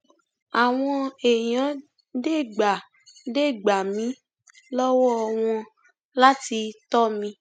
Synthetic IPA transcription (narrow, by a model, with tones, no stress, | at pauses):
a˨w̃ɔ̃˧e˨jã˨˦ | de˦˨ɡ͡ba˨ | de˦˨ɡ͡ba˨mĩ˨˦ | lɔ˦wɔ˦˧w̃ɔ̃˧ | la˦ti˧tɔ˦mĩ˧